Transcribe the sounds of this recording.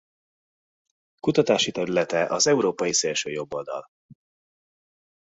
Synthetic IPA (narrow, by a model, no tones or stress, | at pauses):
kut̪ɒt̪aːʃit̪ɛɾylɛt̪ɛʔɒzɛuɾoːpɒjiseːlʃøːjo̞bːold̪ɒ̰l